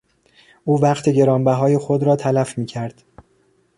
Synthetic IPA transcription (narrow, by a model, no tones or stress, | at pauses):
ʔuːvæqt̪ʰe̞ɟe̞ɾɒːmbæɦɒːjexod̪ɾɒːt̪ʰælæfmiːcʰæɾd̪̥